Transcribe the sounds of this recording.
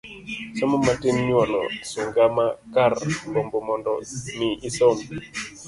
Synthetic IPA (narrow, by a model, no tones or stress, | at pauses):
sɔmomatɪmɲwɔnɔ̰suŋɡamakarbombɔmɔndɔmiʔisɔm